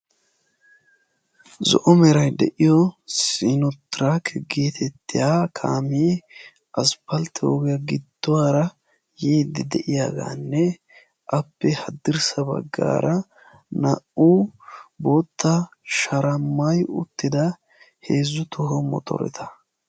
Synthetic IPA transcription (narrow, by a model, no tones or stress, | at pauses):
zɔ̰ʔɔmɛɾɐjd̪ɛ̰ʔɪjɔsinɔt̪ːɾakʰɛɡeːt̪ʰɛt̪ːɪjaːkʰaːmiː | ʔɐspɐlt̪ɪoːɡɪjɐɡɪd̪ːʊwaːɾɐ | jiːd̪ɪd̪ɛʔɪjaːɡa̰ːnːɛ | ʔɐpːɛhɐd̪ɪɾsɐbɐ̰ɡːa̰ːɾɐ | nɐʔuboːt̪ːɐ | ʃɐɾɐmːɐjʊt̪ːɪd̪ɐ | heːzːʊt̪ʰɔɦɔmɔ̰t̪ʰɔ̰ɾɛ̰t̪ʰɐ̥